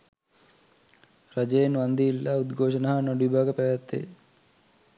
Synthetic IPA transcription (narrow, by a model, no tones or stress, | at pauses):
rad͡ʒejenʋand̪iilːaud̪ɡʱoːʂənaɦanoɖuibaːɡəpæʋæt̪ːḛ